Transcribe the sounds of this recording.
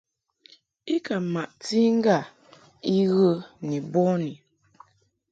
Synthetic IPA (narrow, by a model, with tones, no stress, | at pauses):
i˦ka˨ma˨ʔti˦ŋ̩˦ɡa˦˨ | i˦ɣə˦ni˨bɔ˦ni˨